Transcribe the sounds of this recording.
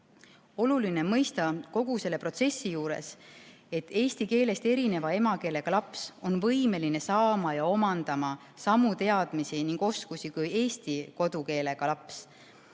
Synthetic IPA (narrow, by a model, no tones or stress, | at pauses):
o̞luline̞mɤjst̪ɑko̞ɡ̥use̞lːe̞pro̞t̪se̞sːijuːɾḛs | e̞t̪ːˑe̞ːsʲt̪ike̞ːle̞st̪e̞ɾine̞vɑe̞mɑke̞ːle̞ɡ̥ɑlɑpso̞nvɤjme̞line̞sɑːmɑjɑo̞mɑnd̪̥ɑmɑ | sɑmːut̪e̞ɑd̪̥misiniŋɡ̥o̞skusikuje̞ːst̪iko̞d̪̥uke̞ːle̞ɡ̥ɑlɑps